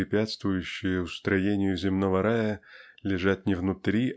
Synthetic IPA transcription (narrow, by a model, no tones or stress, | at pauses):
ɪpʲat̪st̪vʊjʉɕːɪjəʊst̪ɾɐjenʲɪjʊzʲɪmno̞vəɾajəlʲɪʐat̪̚ʲnʲɪvnʊt̪ɾʲi